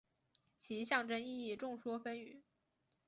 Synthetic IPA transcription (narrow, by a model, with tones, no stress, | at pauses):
t͡ɕʰi˧˥ɕjɑ˥˩ŋʈ͡ʂə˥ni˥˧i˥˧˩ʈ͡ʂʊ˥˩ŋʂwɔ˥fə˥ny˨˩˦